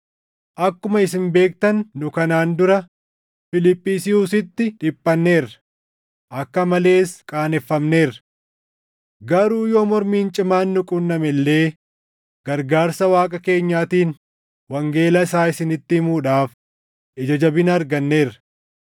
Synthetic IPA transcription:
ʔɐkːʊmɐɪsɪnbe̞ːk̚t̪ɐnːʊkɐnaːnd̪ʊɾɐ | fɪlɪpʼːiːsɪuːsɪt̪ːɪᶑɪpʼːɐnːe̞ːrːɐ̥ | ʔɐkːɐmɐle̞ːskʼaːnɛfːɐmne̞ːrɐ̥ | ɡɐɾuːjoːmɔɾmiːnt͡ʃʼɪmaːnːʊkʼʊnːɐmɛlːe̞ː | ɡ̥ɐɾɡaːɾsɐwaːkʼɐke̞ːɲːaːt̪iːn | wɐŋɡe̞ːlɐɪsaːɪsɪnɪt̪ːɪhɪmuːᶑaːf | ʔɪd͡ʒɐd͡ʒɐbɪnɐɐːɾɡɐnːe̞ːrːɐ̥

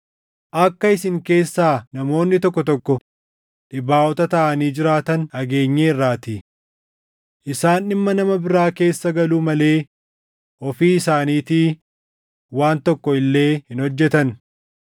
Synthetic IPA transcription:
ʔɐkːɐɪsɪŋke̞ːsːaːnɐmo̞ːnːɪt̪ɔkːɔt̪ɔkːɔ | ᶑɪbaːʔɔt̪ɐt̪ɐʔɐniːd͡ʒɪɾaːt̪ɐnɐɡe̞ːɲːeɪrːaːt̪ɪ | ʔɪsaːnɪmːɐnɐmɐbɪɾaːke̞ːsːɐɡɐluːmɐle̞ː | ʔɔfiːɪsaːniːt̪iː | waːnt̪ɔkːɔɪlːe̞ːhɪnhɔd͡ʒːɛt̪ɐn

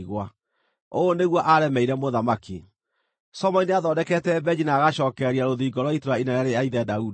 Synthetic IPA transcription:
ɣwa | oːneɣwɔʔaɾɛmɛiɾɛmoðamaki | sɔmɔineaðɔːdɛkɛtɛbɛd͡ʑinaːɣaʃɔːkɛɾiaɾoðiːɡɔɾwaitoɾainaɾaɾeaiðɛdaudi

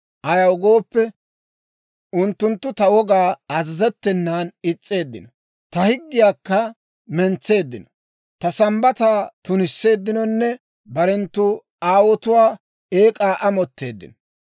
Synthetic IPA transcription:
ʔɐjɐwɡo̞ːpːɛ | ʊnt̪ːʊnt̪ːʊt̪ɐwɔɡaːɐzɐzɛt̪ːɛnːaːnɪt͡sʼːe̞ːd̪ːɪnɔ | t̪ɐhɪɡːɪjaːkːɐ | mɛnt͡sːe̞ːd̪ːɪnɔ̥ | t̪ɐsɐmbɐt̪aːt̪ʊnɪsːe̞ːd̪ːɪnɔnːɛ | bɐɾɛnt̪ːʊ | aːwɔt̪ʊwaː | eːkʼaːʔɐmɔt̪ːe̞ːd̪ːɪ̰nɔ̥

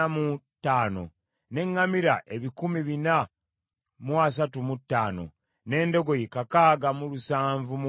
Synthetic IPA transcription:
amutːaːno̞̰ | ne̞ŋːamiɾaʔe̞βikumiβina | muas̬atumutːaːno̞̰ | ne̞ːndo̞ɡo̞jekakaːɡamulusaːɱvum

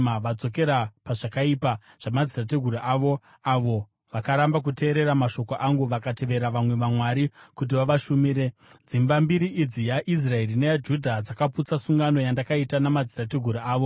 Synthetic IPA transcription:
aʋad͡zo̞ke̞ɾapaʐakaipa | ʐ̥amad͡zirat̬eɡʱuɾiʔaʋo̞ | aʋo̞ | ʋakaɾambak̬ute̞ːɾe̞ɾamaʃo̞koʔaŋɡuʋakate̞ʋe̞ɾaʋamwe̞ʋamwaɾikut̬iʋaʋaʃumiɾe̞d͡zimbambiɾiʔid͡zijaʔis̬rae̞ɾinejad͡ʒudʱad͡zakaput͡sasuŋɡano̞jandakaitanamad͡zirateɡʱuɾiaːʋo̞

